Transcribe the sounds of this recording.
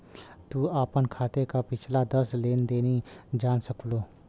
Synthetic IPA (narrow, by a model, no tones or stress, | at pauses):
t̪uaːpənkʰaːt̪ekapɪt͡ʃʰlad̪əsleːnd̪eːnid͡ʒaːnsəkloː